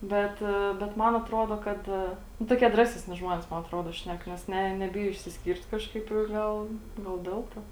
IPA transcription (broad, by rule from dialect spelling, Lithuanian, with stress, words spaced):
ˈbʲɛt bʲɛt ˈmɐn ɐtˈroːdoː ˈkɐt nʊ toːˈkʲiɛ ˈdrɑːsʲɛˌsʲnʲɪ ˈʒmoːnʲeːs ˈmɐn ɐtˈroːdoː ˈʃʲnʲɛk nʲɛs ˈnʲɛ nʲɛˈbʲɪjoː ɪʃʲsʲɪsʲˈkʲiːrt ˈkɑːʃkɐɪp ɪ ɡɐlˠ ɡɐlˠ ˈdʲɛlˠ toː